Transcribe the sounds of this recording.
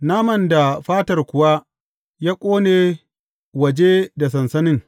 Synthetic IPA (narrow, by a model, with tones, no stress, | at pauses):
naː˦mɐ˨nda˨ɸaː˦tɐ˨rkʷʊ˨wa˦ | jaː˦kʷʼoː˦neː˨ | wɐ˨d͡ʒe˦da˨s̬ɐ˨nsɐ˦nɪ˦ŋ